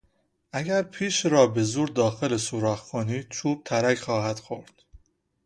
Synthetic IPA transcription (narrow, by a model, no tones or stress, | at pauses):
ʔæɡæɾpʰiːʃɾɒːbe̞zuːɾd̪ɒːxelesuɾɒːxkʰoniːd̪̥̚t͡ʃʰuːb̥̚t̪ʰæɾækχɒːhæd̪̥xoɾd̪̥